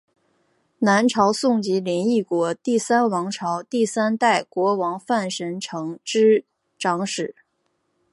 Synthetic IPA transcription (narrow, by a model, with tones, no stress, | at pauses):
na˧˥nʈ͡ʂʰɑ˧˥ʊsʊ˥˩ŋt͡ɕi˧˥ljɛ˧˥ni˥˩kwɔ˧˥t̪i˥˩sa˥nwɑ˧˥ŋʈ͡ʂʰɑ˧˥ʊt̪i˥˩sa˥nt̪a˥˩ɪkwɔ˧˥wɑ˧˥ŋfa˥˩nʂə˧˥nʈ͡ʂʰɤ˧˥ŋʈ͡ʂɻ̩˥ | ʈ͡ʂɑ˧˥ŋʂɻ̩˨˩˦